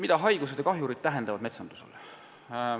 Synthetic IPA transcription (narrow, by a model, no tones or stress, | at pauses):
mid̪̥ɑɦɑjɡ̥use̞d̪jɑkɑɦjuɾid̪̥̚t̪æɦend̪ɑvɑd̪me̞t̪sɑnd̪̥u̥sḛl